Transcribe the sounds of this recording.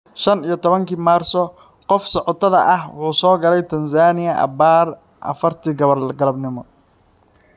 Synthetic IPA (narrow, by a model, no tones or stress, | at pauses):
ʃɐnijɞt̪ʰɔβɐŋkʰiːmaːrsɔ | qɔfsɔʕɔt̪ʰɐðɐʔɐhwʊħuːsɔːɡɐlɛjt̪ʰɐnsaːnɪjɐʔɐ̰baːr | ʔɐ̰fɐrt̪ʰiːɡɐβɐrɡɐlɐbnɪmɔ